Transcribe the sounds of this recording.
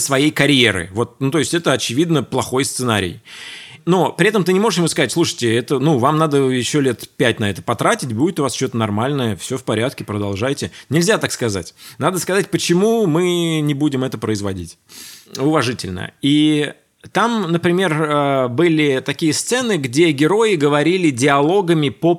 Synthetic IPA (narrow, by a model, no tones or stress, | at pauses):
svɐjejkɐɾʲjeɾɨ̰vo̞t̪̚nut̪o̞ɪsʲtʲɛt̪əɐt͡ɕɪvʲid̪nəplˠɐxo̞jst̪sɨnaɾʲɪ̰jno̞pɾʲɪɛt̪əmt̪ɨnʲɪmo̞ʐəʂjɪmuskɐzatʲslˠuʂɨ̥jtʲɪɛt̪ənuvamnad̪əjɪɕːo̞lʲe̞t̪pʲætʲnɐɛt̪ə̥pɐt̪ɾatʲɪtʲbudʲɪt̪ʊvast͡ɕot̪ənɐrmalʲnəjəfsʲofpɐɾʲat̪kʲɪpɾəd̪ɐlˠʐajtʲɪnʲɪlʲzʲat̪akskɐza̰tʲnad̪əskɐzat̚ʲpət͡ɕɪmumɨnʲɪbudʲɪmɛt̪əpɾəɪzvɐdʲḭtʲʊvɐʐɨtʲɪ̰lʲnə̰i | t̪amnəpɾʲɪmʲe̞rəbɨlʲɪt̪ɐkʲijəst̪sɛnɨɡdʲe̞ɡʲɪɾo̞jɪɡəvɐɾʲilʲɪdʲɪɐlˠo̞ɡəmʲɪpə